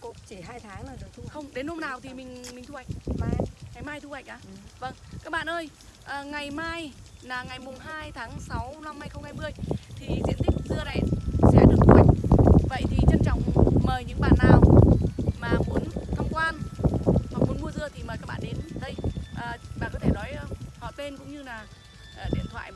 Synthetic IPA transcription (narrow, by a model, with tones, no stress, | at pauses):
ko̰˧˥t͡ɕe˧˩ɦhaː˧jt̪ʰaː˨˦ŋlaː˨˩ɗɨ˨˩ək̚t̪ʰu˧xə˧wŋ͡mɗe˨˦nho˧mnaː˨˩wt̪ʰi˨˩mï˨˩ŋ̟mï˨˩ŋ̟t̪ʰu˧ha˧˩jk̟̚vaː˨˩ŋa˨˩jmaː˧jt̪ʰu˧ha̰˧˨jk̟ʔaː˨˦və˧˩ŋkaː˦˥k̚ɓa̰ː˧˨nʔəː˧j | ʔəː˨˩ŋa˨˩jmaː˧jlaː˨˩ŋa˨˩jmʊ˨˩ŋ͡mɦaː˧jt̪ʰaː˨˦ŋsa˨˦wna˧mha˧jxə˧wŋ͡mhaː˧jmɨ˧əjt̪ʰi˨˩zḭ˧˥ənt̪ï˦˥k̚zɨ˧əna˨˩jsɛ̰˧˥ɗɨ̰˨˩əkxwa˨˩jk̟̚və̰˧˨jt̪ʰi˨˩t͡ɕə˧nt͡ɕɔ˧˩wŋ͡mməː˨˩jɲɨ̰˧˥ŋɓa̰ː˧˨nːaː˨˩w | maː˨˩mu˨˦ənt̪ʰə˧˩wŋ͡mkwaː˧n | ha˨˩mu˨˦ənmu˧əzɨ˧ət̪ʰi˨˩məː˨˩kaː˦˥k̚ɓa̰ː˧˨nɗe˨˦nɗə˧jʔəː˨˩ɓa̰ː˧˨nkɔ˨˦t̪ʰe˧˩nɔ˨˦jhɔ̰˧˨jte˧nkʊ̰˧˥ŋ͡mɲɨ˧laː˨˩ | ʔːɗḭ˧˨ənt̪ʰwa̰ː˧˨j